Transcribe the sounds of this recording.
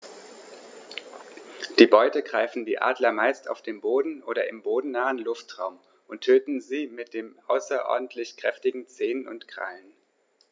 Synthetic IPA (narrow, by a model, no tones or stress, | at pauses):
d̥iːbɔʏtəɡʁaɪfn̩diːʔa̰ːdlɐmaɪsta̰ʊfd̥eːmboːdn̩ʔoːɾɐʔɪmboːdn̩naːənlʊftʁ̥aʊm | ʔʊntʰøːtn̩ziːmɪt̚d̥eːmʔaʊsɐʔɔ̰ɐdn̩tʰlɪçkʁ̥ɛftɪɡŋ̩t͡seːnʊ̰ntkʁ̥a̰ln